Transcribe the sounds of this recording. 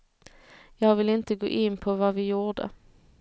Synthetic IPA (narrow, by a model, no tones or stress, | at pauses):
jɑːɡvɪlɪnt̪əɡo̰ːʔɪnːpʰɔvɑvɪjuːd̪ə̰